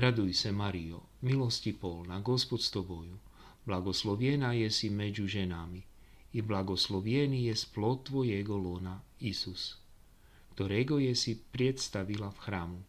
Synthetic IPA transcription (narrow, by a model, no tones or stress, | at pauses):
ɾad̪ujsɛmaɾijo̰ | miloscipolnaɡo̞spot̪st̪oboju | blˠaɡoslˠoʋjɛnajɛsimed͡ʒuʒɛnamiː | blaɡoslˠoʋjenijɛsplot̪ːʋojɛɡolonaisus | kt̪oɾɛɡojɛsipɾjet̪st̪aʋilafxɾaːmu